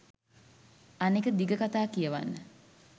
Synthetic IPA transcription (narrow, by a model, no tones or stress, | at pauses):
anikəd̪iɡəkat̪aːkijəʋa̰nːə